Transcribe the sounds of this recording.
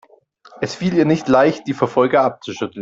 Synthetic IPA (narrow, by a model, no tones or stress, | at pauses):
ʔɛsfiːliːɐnɪçtlaɪçt̚d̥iːfɛɐfɔlɡɐʔap̚t͡suʃʏtl̩n